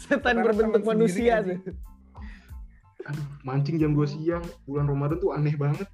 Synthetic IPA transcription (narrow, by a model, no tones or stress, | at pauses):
sət̪anbərbənt̪ʊk̚manusiat̪ʊ | aduhmaɲt͡ʃɪŋd͡ʒamduasijaŋbulanromadɔnt̪uanɛhbaŋət̪̚